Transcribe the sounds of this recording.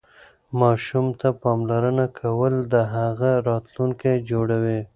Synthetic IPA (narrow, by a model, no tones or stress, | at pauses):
mɑʃumt̪apɑmlaɾənakʰawəld̪əɦaɣaɾɑt̪luŋkajd͡ʒoɽawi